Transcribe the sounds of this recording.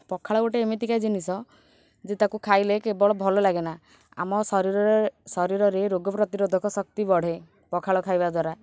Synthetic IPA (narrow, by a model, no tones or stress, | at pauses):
pɔkʰaɭɔoʈeːmet̪ikajd͡ʒinisɔ | d͡ʒet̪akukʰajlekebɔɭɔbʱɔlɔlaɡena | a̰mɔsɔɾiɾɔɾsɔɾiɾɔɾeɾoɡɔpɾɔt̪iɾod̪ʱɔkɔsɔkt̪ibɔɽ̤e | pɔkʰaɭɔkʰajbad̪ʱwaɾa